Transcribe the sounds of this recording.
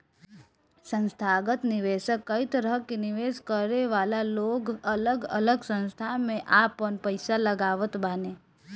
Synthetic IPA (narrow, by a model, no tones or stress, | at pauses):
sə̃nst̪ʰaːɡət̪nɪʋeːʃəkːəit̪əɾəkinɪʋeːʃkəɾeʋaːlaloːɡɐləɡɐ̰ləɡsə̃nst̪ʰamẽʔaːpənpəɪsalɐɡaːʋət̪baːneː